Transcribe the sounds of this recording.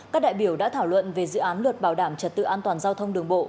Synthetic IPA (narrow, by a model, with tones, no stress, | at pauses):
aː˦˥k̚ɗa̰ː˧˨ɓi˧˩əwɗa̰ː˧˥t̪ʰaː˧˩wlwə̰˧˨nve˨˩zɨ̰˧˨ʔaː˨˦nlwə˨˩t̚ɓaː˧˩wɗaː˧˩mt͡ɕə˨˩t̚t̪ɨ̰˧˨ʔaː˧nt̪waː˨˩nzaː˧wt̪ʰə˧wŋ͡mɗɨ˨˩əŋɓo̰˧˨